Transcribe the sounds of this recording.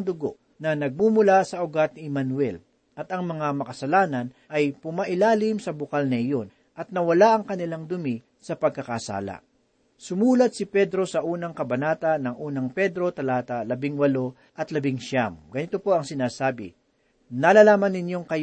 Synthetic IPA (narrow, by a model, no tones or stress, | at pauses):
ŋd̪ʊɡo | nɐnɐɡ̚mumʊlasɐʔʊɡat̪̚nɪɛmɐnwɛl | ʔɐt̪ɐŋmɐŋamɐkɐsɐlaːnɐn | ʔɐjpʊmɐʔɪlaːlɪmsɐbʊkalnɐɪjo̞n | ʔɐt̪̚nɐwɐlaʔɐŋkɐnɪlaŋd̪ʊmi | sɐpɐɡ̚kɐkasa̰ːlɐ̰ | sʊmuːlɐt̪̚sɪpɛd̪ɾo̞sɐʔuːnɐŋkɐbɐnaːt̪ɐnɐŋʔuːnɐŋpɛd̪ɾo̞t̪ɐlaːt̪ɐlɐbɪŋwɐlo̞ | ʔɐt̪lɐbɪŋʃamɡ̥ɐnɪt̪o̞po̞ɐŋsɪnaːsaːbɪ̰ | nɐlalaːmɐnːɪnjo̞ŋkɐj